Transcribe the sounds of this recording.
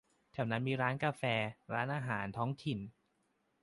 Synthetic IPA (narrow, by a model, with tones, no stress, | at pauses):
t̪ʰɛː˨˩wna˦˥nmiː˧ɾaː˦˥nkaː˧fɛː˧ɾaː˦˥nʔaː˧ɦaː˩˦nt̪ʰɔː˦˥ŋt̪ʰi˨˩n